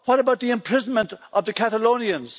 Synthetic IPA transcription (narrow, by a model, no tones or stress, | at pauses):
wʌɾəbaʊt̪̚ðiɨ̃mpʰɹ̥ɪzə̃nmə̃ntʔʌvðɨkʰæθəlõʊ̃niɨ̃nz̥